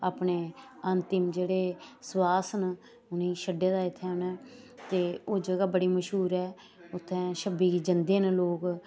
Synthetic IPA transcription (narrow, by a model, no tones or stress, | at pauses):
aːpneːənt̪ɪmd͡ʒeːɽeːswaːsn | ʊnĩːʃəɖːeːd̪aːɪt̪ʰːɛːʊnɛː | t̪eːoːd͡ʒəɡaːbəɽiːməʃɦuːɾɛː | ʊt̪ʰːɛ̃ːʃəbiːɡiːd͡ʒənd̪eːnloːk